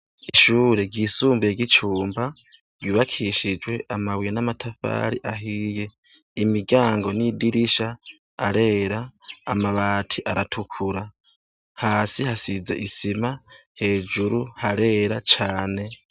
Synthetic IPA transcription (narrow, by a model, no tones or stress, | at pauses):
iʃuːɾeɡiːsuːmbujeɡit͡ʃuːmba | ɡiːβakʰiʃid͡ʒwe̞ʔamawijenamatʰafa̰ːɾiʔaɦiːje̞ | imiɡaːŋɡo̞nidiɾiʃaː | ɾe̞ːɾaːmaβaːtʰiʔaɾatʰukʰuɾa | haːsihasize̞ʔisimahe̞ːd͡ʒuɾuhaɾe̞ːɾat͡ʃaːne̞